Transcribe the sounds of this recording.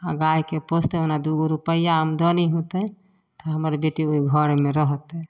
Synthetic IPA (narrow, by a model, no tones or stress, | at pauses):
aɡajkepost̪eonad̪uɡoɾupəjaɦəmd̪ɔniɦut̪ɛ | t̪ɔɦəməɾbeʈioiɡʱəɾmeɾəɦt̪ɛ